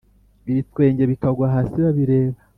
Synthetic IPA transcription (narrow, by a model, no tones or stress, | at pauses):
iβitwe̞ːɲɟe̞βikaɡwaɦaːsiβaβiɾe̞ːβa